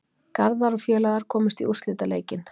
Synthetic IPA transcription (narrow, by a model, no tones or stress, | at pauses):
kaɾðaɾɔfjœːlaɣaɾ̥kʰɔːmɪst̪iust̪lɪːt̪alḛːjcɪn